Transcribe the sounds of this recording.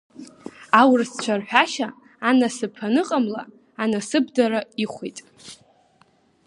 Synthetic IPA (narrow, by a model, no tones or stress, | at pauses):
awrst͡ɕʷʰarħʷᶣaʃaː | nasɨpʰanɨqʼamla̰ | anasɨbdaɾaiχʷitʼ